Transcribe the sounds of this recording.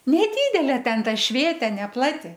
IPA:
nʲɛˈdʲiːdʲɛlʲeː ˈtʲɛn ˈtɐ ˈʃʲʋʲeːtʲeː nʲɛˈplˠɑːtʲɪ

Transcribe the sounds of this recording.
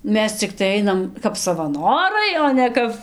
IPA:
ˈmʲɛs t͡sʲɪkˈtɐɪ ˈɐɪnɐm kɐp sɐʋɐˈnoːrɐɪ oː nʲɛ ˈkɐp

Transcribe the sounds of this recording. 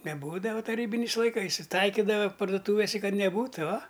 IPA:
nʲɛˈbuːdɐʋɐ tɐˈrʲiːbʲɪnʲɛɪs lˠɐɪˈkɐɪs ɪ ˈtɐɪkʲɪdɐʋɐ pɐrdʊˈtuːʋʲɪsʲɛ ˈkɐt nʲɛˈbuːtʊ ʊɐ

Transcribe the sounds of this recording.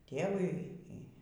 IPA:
ˈtʲeːʋʊɪ ˈiː

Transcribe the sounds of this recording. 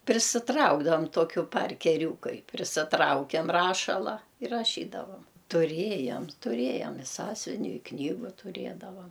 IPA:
pʲrʲɪsʲɪˈtrɐʊɡdɐʋɐm ˈtoːkʲʊ pɐrʲkʲɛˈrʲuːkɐɪ pʲrʲɪsʲɪˈtrɐʊkʲɛm ˈrɑːʃɐlˠɐ ɪr rɐˈʃʲiːdɐʋɐm tʊˈrʲeːjɛm tʊˈrʲeːjɛm ɪ ˈsɑːsʲʊʋʲɪnʲʊ ɪ ˈknʲiːɡʊ tʊˈrʲeːdɐʋɐm

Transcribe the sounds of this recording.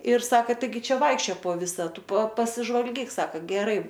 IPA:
ɪr ˈsɑːkɐ tɐɪˈɡʲɪ ˈt͡ʃʲɛ ˈʋɐɪkʃʲt͡ʃʲoːjoː poː ˈʋʲɪsɐ ˈtʊ pɐ pɐsʲɪʒʋɐlʲˈɡʲiːk ˈsɑːkɐ ɡʲɛˈrɐɪ

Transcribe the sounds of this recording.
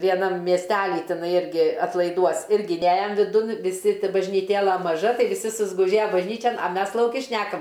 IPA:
ʋʲiɛˈnɐm mʲiɛsʲˈtʲæːlʲiː tʲɪˈnɐɪ ˈɪrʲɡʲɪ ɐtlˠɐɪˈduɔs ˈɪrʲɡʲɪ ˈnʲæːjɛm ʋʲɪˈdʊn ʋʲɪˈsʲɪ bɐʒʲnʲiːˈtʲeːlˠɐ mɐˈʒɐ ˈtɐɪ ʋʲɪˈsʲɪ sʊzɡʊˈʒʲeːjɛ bɐʒʲˈnʲiːt͡ʃʲɛn ɐ ˈmʲɛs lˠɐʊˈkʲɪ ˈʃʲnʲæːkɐm

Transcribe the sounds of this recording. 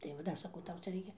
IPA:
tɐɪ ʋɐ ˈdɐr sɐˈkɐʊ ˈtɐʊ ˈt͡sʲɛ ˈrʲɛɪkʲɛ

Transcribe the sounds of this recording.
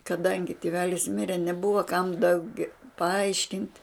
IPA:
kɐˈdɐŋʲɡʲɪ tʲɪˈʋʲæːlʲɪs ˈmʲɪrʲɛ nʲɛˈbʊʋɐ kɐm dɐʊˈɡʲɛ pɐˈɐɪʃʲkʲɪnʲtʲ

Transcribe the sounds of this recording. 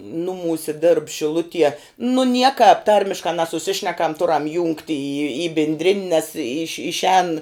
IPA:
ˈnʊmuːsʲɪ dʲeːrp ʃʲɪˈlˠʊtʲiɛ nʊ ˈnʲiɛkɑːp ˈtɐrʲmʲɪʃkɑː nʲɛsʊˈsʲɪʃʲnʲɛkɐm ˈtʊrɐm jʊŋktʲ iː iː iː bʲɪnʲˈdʲrʲɪnʲ nʲɛs ɪʃʲ ɪʃʲˈɛːn

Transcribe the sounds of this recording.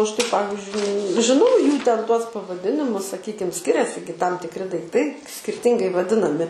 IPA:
ˈɐʃ tɐɪ ˈpɑːʋʲɪzʲd͡ʒʲʊɪ ʒʲɪˈnɐʊ ˈjuː ˈtʲɛn ˈtuɔs pɐʋɐˈdʲɪnʲɪmʊs sɐˈkʲiːkʲɪm ˈsʲkʲɪrʲɛsʲɪ ɡʲɪ tɐm tʲɪkˈrʲɪ dɐɪkˈtɐɪ sʲkʲɪrʲˈtʲɪŋɡɐɪ ʋɐˈdʲɪnɐmʲɪ

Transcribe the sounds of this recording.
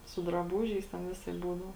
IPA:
sʊ drɐˈbuːʒʲɛɪs tʲɛn ˈʋʲɪsɐɪp ˈbuːdɐʊ

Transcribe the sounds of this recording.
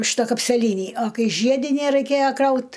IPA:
ˈʃʲɪtɐ kɐpʲsʲɛˈlʲiːnʲiː ɐ ˈkɐɪ ˈʒʲiɛdʲɪnʲæ rɐɪˈkʲeːjɛ ˈkrɐʊt

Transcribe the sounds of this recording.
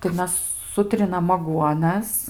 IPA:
tɐɪ ˈmʲɛs ˈsʊtʲrʲɪnɐm ɐˈɡuɔnɐs

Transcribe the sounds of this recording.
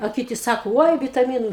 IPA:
ɐ ˈkʲɪtʲɪ ˈsɑːkoː ˈoːɪ ʋʲɪtɐˈmʲiːnʊ

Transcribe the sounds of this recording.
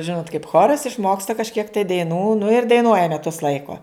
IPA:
ˈʒʲɪnoːt kɐɪp ˈxoːrɐs ɪʃˈmoːkstɐ kɐʃʲˈkʲiɛk tɐɪ dɐɪˈnuː nʊ ɪr dɐɪˈnuɔjɛ mʲɛˈtʊs ˈlˠɐɪkoː

